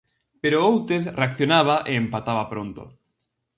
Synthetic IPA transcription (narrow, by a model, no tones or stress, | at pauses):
peɾoowt̪es̬reakθjonaβ̞aʔeːmpat̪aβapɾont̪o̰